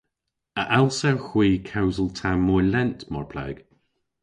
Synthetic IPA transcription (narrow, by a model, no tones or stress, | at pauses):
əʔalˠsawxwiːkʰawzəlˠtʰamɔjlɛntmɔɹpʰla̰ɡ̥